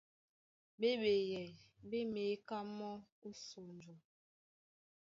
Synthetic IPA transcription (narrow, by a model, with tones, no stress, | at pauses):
ɓe˦ɓe˨jɛ˨be˦me˨˦ka˦mɔ˦ | u˦so˨nd͡ʒu˨